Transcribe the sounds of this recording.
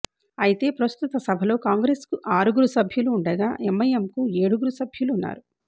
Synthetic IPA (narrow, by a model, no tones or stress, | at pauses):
ɐjit̪e̞ːpɾɐst̪ut̪ɐsɐbʱɐlo̞ːkaːŋɡɾe̞ːskuʔaːɾuɡuɾusɐbʱjuluːɳɖɐɡaːʔemːɐjemkueːɽuɡuɾusɐbʱjuluːnːa̰ːɾu